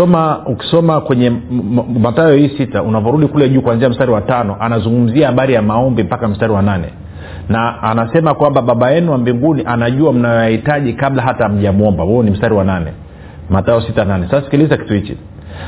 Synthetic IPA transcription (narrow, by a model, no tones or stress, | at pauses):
ɔmauki̥sɔmakwɛɲɛ | mataɔhiːsitaunavɔɾuɗikulɛʄuːkwanziam̩staɾiwatanɔʔanazuŋɡum̩ziahaɓaɾijamaɔmbim̩pakam̩staɾiwananɛ̰ | naːnasɛmakwamɓaɓaɓajɛnuwambiŋɡuniʔanaʄuam̩najɔjahitaʄikaɓlaɦatam̩ʄiamuɔmbawɛɔnim̩staɾiwananɛ̰ | mataɔsitananɛsasasi̥kilizaki̥tuhit͡ʃḭ